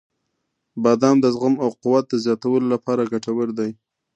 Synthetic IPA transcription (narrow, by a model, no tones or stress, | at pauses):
bɑd̪ɑmd̪əzɣəmawqʊwat̪̚d̪əzjɑt̪awəlolapɑɾaɡaʈawəɾd̪aj